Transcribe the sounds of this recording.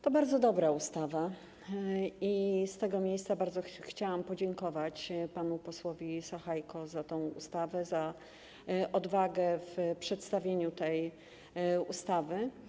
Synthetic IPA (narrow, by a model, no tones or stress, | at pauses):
t̪ɔbaɾd̪zɔd̪ɔbɾaust̪ava | ist̪ɛɡɔmʲjejst̪sabaɾd̪zɔxt͡ɕawampɔd͡ʑɛŋkɔvat͡ɕpanupɔswɔvʲisaxajkɔzat̪ɔ̃w̃ṵst̪avɛza | ʔɔd̪vaɡɛfpʂɛt̪st̪avʲjeɲut̪ɛj | ust̪avɘ